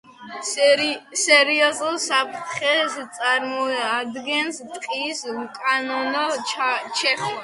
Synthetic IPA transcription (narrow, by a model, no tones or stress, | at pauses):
sɛɾiɔzulˠsapʰt̪ʰχɛst̪sʼaɾmɔad̪ɡɛnst̪ʼqʼiskʼanɔnɔt͡ʃʰɛχʃ